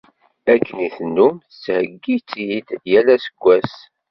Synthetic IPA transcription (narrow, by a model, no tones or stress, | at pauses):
ækːəniθnːumθt͡sːhəɡːit͡sːjid̪jælæsə̥ɡʷːæs